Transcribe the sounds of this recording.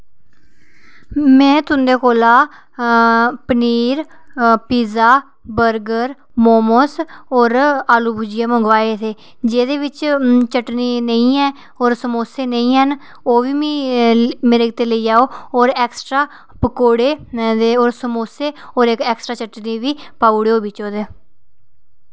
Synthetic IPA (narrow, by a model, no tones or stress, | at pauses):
mɛ̃ːt̪ʊnd̪eːkoːlaː | pəniːɾpiːzaː | bəɾɡəɾ | moːmoːsɔːɾaːluːbʱuːd͡ʒɪjaːmə̃ŋɡʋaːeːt̪ʰeː | d͡ʒeːd̪eːʋɪt͡ʃt͡ʃəʈniːnəĩːɛː | oːɾsəmoːseːnəĩːɦən | oːʋiːmiːmeːɾeːɪt̪eːləiːaːoːoːɾɛːksʈɾaː | pəkoːɽeːd̪eːoːɾsəmoːseːoːɾekɛːksʈɾaːt͡ʃəʈniːʋiːpaːuɽeːoːbɪt͡ʃoːd̪eː